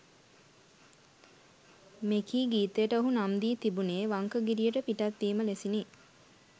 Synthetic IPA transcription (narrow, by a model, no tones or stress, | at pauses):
mekiːɡiːt̪əjəʈəoɦunamd̪iːt̪ibuneːʋaŋkəɡiɾijəʈəpiʈat̪ːiːməlesini